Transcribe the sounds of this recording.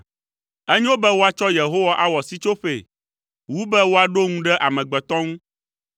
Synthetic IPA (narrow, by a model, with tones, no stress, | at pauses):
ɛ˦ɲɛ̃˦wo˦bɛ˦wo˦a˨t͡ʃɔ˦je˨ɦo˦wa˦ʔa˦wɔ˨si˦t͡ʃo˦ɸe˨ | wu˦bɛ˦wo˦a˨ɖo˦ŋũ˦ɖɛ˦ʔa˨mɛ̃˨ɡ͡bɛ˨t̪ɔ̃˦ŋũ˦